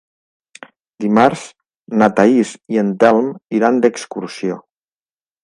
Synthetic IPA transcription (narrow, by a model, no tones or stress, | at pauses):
d̪imaɾz | nat̪aizient̪ɛlˠmiɾand̪əkskuɾsio